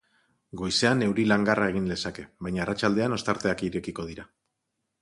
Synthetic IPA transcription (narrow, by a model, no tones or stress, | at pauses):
ɡo̞jse̞ane̞wɾilaŋɡarʔae̞ɣ̞ind̪e̞sake̞βajɲaːrat͡ʃald̪e̞ano̞st̪aɾt̪e̞akiɾe̞kiko̞ðiɾa